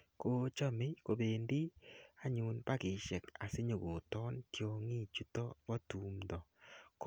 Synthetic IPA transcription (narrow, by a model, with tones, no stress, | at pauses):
ko˦t͡ʃɔ˦me˦ko˨beː˨ndi˦a˨ɲu˨npa˦kɪ˨ʃɛ˨ka˨se˦ɲo˨ɡo˨tɔ˦nkjo˨ŋi˦t͡ʃu˦tɔ˦pɔ˦tu˨mdɔ˨k